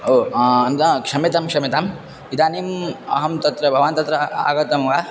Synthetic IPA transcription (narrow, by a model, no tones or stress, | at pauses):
oːɐnt̪ɐkʂɐmit̪ɐmkʂɐmit̪am | id̪aːniːmɐɦɐmt̪ɐt̪ɾɐbʱɐʋant̪ɐt̪ɾɐa̰ːɡɐt̪ɐmɡaː